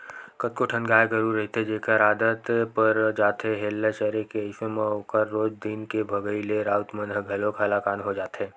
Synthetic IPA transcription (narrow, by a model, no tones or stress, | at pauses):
kət̪̚koʈʰə̃nɡaːeɡəɾuɾːɐɦit̪ed͡ʒeːkaɾaːd̪ət̪pəɾd͡ʒaːt̪ɦeɦeːlːaʃəɾekeəɪʃemẽokəɾːoːd͡ʒd̪ɪnkebʱɐɡəileɾaːt̪mə̃nɦɡʱɐlokʰalakaːnɦod͡ʒaːt̪ɦeː